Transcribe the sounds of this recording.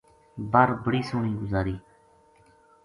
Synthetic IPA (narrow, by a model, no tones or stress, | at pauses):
bəɾbəɽiːsʊːɳiːɡʊzaːɾiː